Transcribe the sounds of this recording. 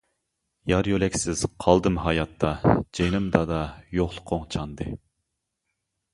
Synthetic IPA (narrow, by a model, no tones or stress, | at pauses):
jɑɾjølɛkʲsɪz̥qʰɑlˠd̪ɨmɦɑjɑt̪ʰːɑd͡ʒenɨmd̪ɑd̪ɑjoχlˠʊqʰoŋt͡ʃʰɑnd̪ɨ